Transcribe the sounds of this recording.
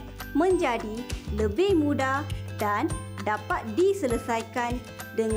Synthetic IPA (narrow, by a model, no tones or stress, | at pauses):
mə̃ɲd͡ʒadiləbɪhmũdadandapat̪̚disələsajkan | dəŋ